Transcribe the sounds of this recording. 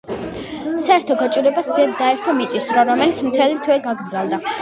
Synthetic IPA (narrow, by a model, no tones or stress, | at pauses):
saɛɾt̪ʰɔɡat͡ʃʼuɾɛbaszɛd̪ːaɛɾt̪ʰɔmit̪sʼist̪ʰɾaɾɔmɛlit̪sʰmt̪ʰɛlit̪ʰwɛɡaɡɾd̪zalˠd̪a